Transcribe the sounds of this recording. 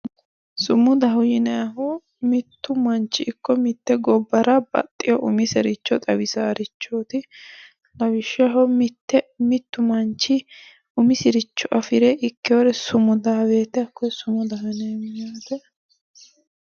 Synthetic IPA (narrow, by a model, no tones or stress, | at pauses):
sʊmːʊd̪ɐɦʊjɪnɐɦɔ | mɪt̪ːʊmɐnt͡ʃːɪʔːkːɔmɪt̪ːɛɡɔbːɐɾɐbɐ̰t̪ʼːɪjɔʔʊmɪsɛɾɪt͡ʃːɔt̪ʼɐwɪsaːɾɪt͡ʃːoːt̪ɪ | lɐwɪʃːɐɦɔmɪt̪ːɛmɪt̪ːʊmɐnt͡ʃːɪ | ʊmɪsɪɾɪt͡ʃːɔʔɐfɪɾɛɪkːɪjoɾɛsʊmʊd̪ɐweːt̪ːɛɐkːɔsʊmʊd̪ɐɦʊnɐjmɪɲaːt̪ɛ